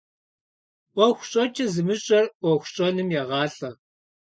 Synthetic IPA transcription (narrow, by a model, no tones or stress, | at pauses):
ʔʷɔxʷɕʼɔt͡ʃʼɐzɨmɨɕʼɐrʔʷɔxʷʊɕʼɔnɨmjɛʁɑːɬɐ